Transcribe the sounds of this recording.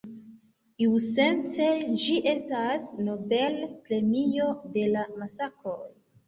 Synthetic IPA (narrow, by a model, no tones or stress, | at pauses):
iwse̞nt͡se̞d͡ʒiʔe̞stasno̞be̞lpɾe̞mio̞de̞lamasakʰoj